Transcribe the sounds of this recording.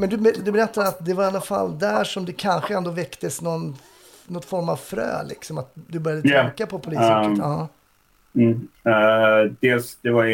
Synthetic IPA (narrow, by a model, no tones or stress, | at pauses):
mɛnd̪ɵbd̪ɵbɛɾɛt̪ːad̪ɛat̪̚d̪ɛvaɾanːafa̰lːd̪æʂɔmd̪ɛkʰanɧəɛnd̪oːvɛkt̪əsnɔn | nɔt̪fɔɾmavfɾø̰ːlɪ̰ksɔmat̪̚d̪ɵbœɾjad̪əɛkːapʰɔpʰʊliːəɑː | m̩ː | d̪eːlsd̪ɛva